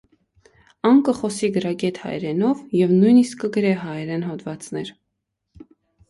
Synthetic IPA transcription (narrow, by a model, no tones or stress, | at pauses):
ɑŋkəχɔsiɡəɾɑɡɛt̪hɑ̰jɾɛnɔvjɛvnujniskːəɡəɾɛɦɑjɛɾɛnɦɔt̪vɑt͡snɛɾ